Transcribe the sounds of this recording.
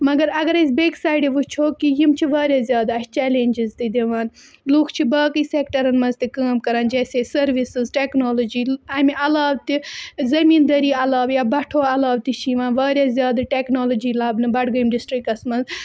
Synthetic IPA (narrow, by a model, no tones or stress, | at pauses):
mɐɡɐɾɐɡɐɾɐsbeːksaːjɖiʋut͡ʃʰoːkijimt͡ʃʰiʋaːɾjazʲjaːd̪at͡ʃɛːlenʲd͡ʒizt̪id̪eʋaːn | lukʰt͡ʃʰibaːkiːseːkʈɐɾɐnmɐnzt̪ikaːmkɐɾaːnd͡ʒɛːsesɐɾʋisɨzʈeːknoːlod͡ʒiːɐmiɐlaːʋt̪izɐmiːnd̪ɐɾiːɐlaːʋjaːbɐʈʰoːɐlaːbt̪it͡ʃʰiʋãːnʋaːɾjaːzʲjaːd̪ɐʈeːknoːlod͡ʒiːlaːbnɨbɐɽɡɐjimɖisʈɾik̚kɐsmɐnz